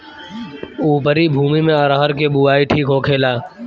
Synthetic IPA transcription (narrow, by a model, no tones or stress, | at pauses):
uːpəɾibʱuːmimẽəɾaɦəɾkebuaːiʈʰiːkɦokʰeːlaː